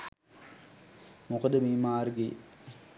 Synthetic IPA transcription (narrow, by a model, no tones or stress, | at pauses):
mokəd̪əmiːmaːrɡe